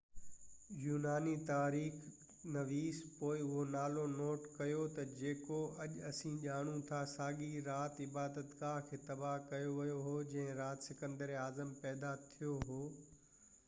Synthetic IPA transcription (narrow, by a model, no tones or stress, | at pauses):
juːnaːnit̪aːɾiːx | nɐʋiːspoːɪʊɦonaːlonoːʈkɐjot̪ɐd͡ʑeːkoɐʄɐsĩʄaːɽ̃ũt̪ʰasaːɡiɾaːt̪ɪbaːd̪ət̪ɡaːɾkʰeːt̪ɐbaɦkɐjoʋɐjoɦoːd͡ʑɐ̃ɦɪ̃ɾaːt̪sɪkə̃nd̪əɾaːzəmpɛːd̪at̪ʰijoɦoː